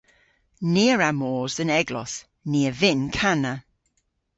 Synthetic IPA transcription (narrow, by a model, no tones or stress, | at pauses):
niəɹamɔːzə̃nɛɡlɔ̰s | niəvɪnkʰanə